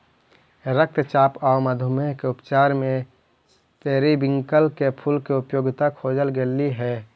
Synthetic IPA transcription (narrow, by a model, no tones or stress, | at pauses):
ɾək̚t̪t͡ʃaːpaməd̪ʱʊmeɦkeʊpt͡ʃaːɾmẽ | t̪eːɾibɪ̃ŋkəlkepʰulkeʊpjoːɡɪt̪akʰoːd͡ʒəlɡeliɦɛ